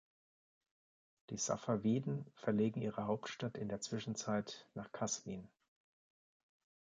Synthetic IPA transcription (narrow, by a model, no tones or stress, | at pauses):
d̥iːsa̰faviːdn̩fɛɐleːɡŋ̩ʔiːʁəɦaʊptʃtatɪndeːɐt͡sv̥ɪʃn̩t͡saɪtnaːχkʰasviːn